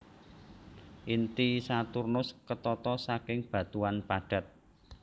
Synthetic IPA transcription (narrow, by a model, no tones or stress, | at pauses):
ʔint̪isat̪urnʊskət̪ɔt̪ɔsakɪŋb̥ä̤t̪uanpaɖ̥a̤t̪̚